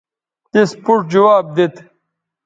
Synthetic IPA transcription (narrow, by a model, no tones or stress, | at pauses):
t̪espuʈ̚d͡ʑuwaːb̚d̪et̪